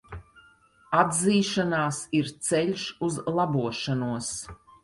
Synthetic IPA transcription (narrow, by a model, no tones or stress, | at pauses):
ad̪ziːʃanaːsiɾt̪sɛʎʲʃuzlˠabuɔʃanuɔs